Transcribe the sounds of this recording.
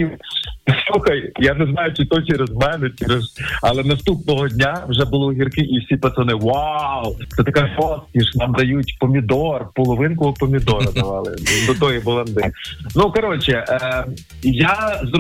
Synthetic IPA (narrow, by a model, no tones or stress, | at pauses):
islˠuxɐjjanɛznɑjʊt͡ʃɪt̪ɔt͡ʃɛɾezmɛnɛt͡ʃɛɾezɐlˠɛnɐst̪up̚nɔɦɔdʲnʲawʒɛbʊlˠɔɦʲirkɪʔiwsʲipɐt̪ɔnɪʋawt͡s̪ɛt̪ɐkɛɔskʲiʃnɑmd̪ɐjutʲpɔmʲid̪ɔrpɔlˠɔʋɪnkɔɦɔpɔmʲid̪ɔɾɐd̪ɐʋɑlˠɪ̰d̪ɔd̪ɔjibɔlˠɐnd̪ɪnukɐɾɔt͡ʃɛ | jazɾ